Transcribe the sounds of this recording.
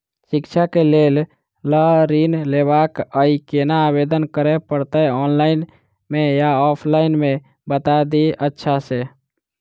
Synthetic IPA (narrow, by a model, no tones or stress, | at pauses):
sikt͡ʃʰakelel | ləɾinleβakəikenaːbed̪ənkəɾɛpəɾt̪əɔnlaɪn | mejaɔpʰlainme | bət̪ad̪iətːʃʰase